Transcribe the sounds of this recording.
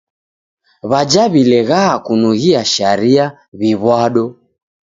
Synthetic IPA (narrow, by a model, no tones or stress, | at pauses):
βad͡ʒaβilɛɣaːkunuɣiaʃaɾia | βiβwaɗɔ